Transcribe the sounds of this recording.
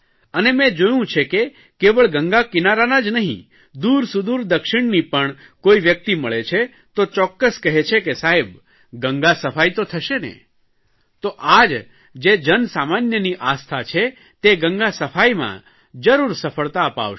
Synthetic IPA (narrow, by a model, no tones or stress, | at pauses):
ənemɛ̃d͡ʒojũt͡ʃʰeke | keʋəɭɡəŋɡakinaɾanad͡ʒnəɦḭ̃ | d̪uɾsud̪uɾd̪əkʃɪɳ̃nipəɳ | koiʋjək̚t̪iməɭet͡ʃʰe | t̪ot͡ʃɔkːəskəɦet͡ʃʰekesaɦeb | ɡəŋɡasəfajt̪ot̪ʰəʃenḛ | t̪oʔad͡ʒ | d͡ʒed͡ʒənsamanjəniʔast̪ʰat͡ʃʰe | t̪eɡəŋɡasəfajmã̰ | d͡ʒəɾuɾsəfəɭt̪aəpa̰ʋʃ